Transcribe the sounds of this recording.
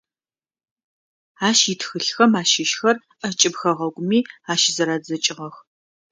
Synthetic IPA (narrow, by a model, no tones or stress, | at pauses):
aːʃitxɨɬxɐmaːʃɪʃxɐr | ʔɐt͡ʃʼɪbxɐʁɐɡʷʊmiːaːʃɪzɐɾaːd͡zɐt͡ʃʼɪʁɐx